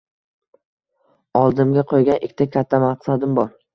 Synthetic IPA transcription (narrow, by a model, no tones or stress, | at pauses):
ɒlˠd̪ɪmɡʲaqʰojɡʲanʔɪkʲːt̪ʰakʲʰat̪ʰːamaqsad̪ɪmbɒɾ